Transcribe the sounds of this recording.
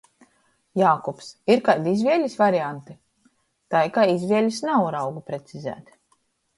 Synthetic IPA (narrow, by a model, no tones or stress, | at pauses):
jaːkupsiɾkajd̪izvʲiɛlʲisvaɾiant̪i | t̪ajkaizvʲiɛlʲisnawɾawɡupɾet̪sizæ̰ːt̪